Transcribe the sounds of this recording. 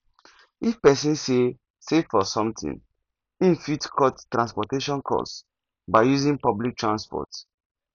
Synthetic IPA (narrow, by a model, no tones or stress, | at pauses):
ifpɛsĩnse | sefːɔsɔ̃mtʰḭ̃n | ĩnfitkʰɔttɹãnspɔteʃɔ̃nkʰɔ̰s | baɪjuzĩnpɔblik̚tɹãnspɔ̰t